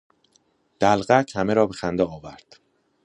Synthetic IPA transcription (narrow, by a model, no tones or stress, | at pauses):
d̪̥ælɢæcʰhæmeɾɒːbe̞xænd̪ɛɒːvæɾd̪̥